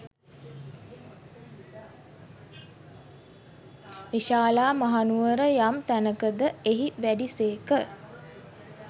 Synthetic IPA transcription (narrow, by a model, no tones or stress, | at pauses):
ʋiʃaːlaːmaɦanuʋəɾəjamt̪ænəkəd̪əeɦiʋæɖiseːkə